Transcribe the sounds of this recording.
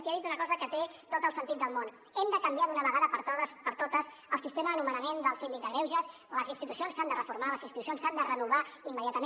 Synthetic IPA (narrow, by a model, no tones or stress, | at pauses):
t̪eaðit̪unəkɔzəkət̪et̪ot̪əlˠsənt̪it̪̚d̪əlˠmon | ɛmd̪əkəmbijaðunəβəɣaðəpəɾt̪əspəɾt̪ot̪əz | əlˠsist̪eməðənumənəmend̪əlˠsind̪ik̚d̪əɣɾɛwʒəs | ləzint̪it̪usionsand̪ərəfuɾmaləzinst̪it̪usionsand̪ərənuβ̞aimːəðjat̪əme